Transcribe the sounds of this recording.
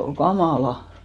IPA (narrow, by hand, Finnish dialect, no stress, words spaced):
ol kɑmɑˑlɑ